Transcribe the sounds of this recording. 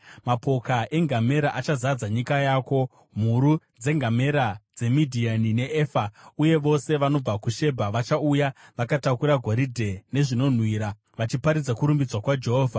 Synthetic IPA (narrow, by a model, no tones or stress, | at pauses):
mapo̞kaʔe̞ŋɡame̞ɾaʔat͡ʃazad͡zaɲikajaːko̞ | m̤uɾu | d͡ze̞ŋɡame̞ɾad͡ze̞midʱianine̞eːfauje̞ʋo̞se̞ʋano̞b͡vakuʃe̞bʱaʋat͡ʃaujaʋakatakuɾaɡʱoɾidʱe̞ne̞ʐino̞n̤wiɾa | ʋat͡ʃipaɾid͡zakuɾumbid͡zwakwad͡ʒe̞ɦoːvʱa